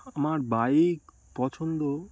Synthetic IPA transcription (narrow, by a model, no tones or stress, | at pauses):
amaɾbajek | pɔt͡ɕʰond̪o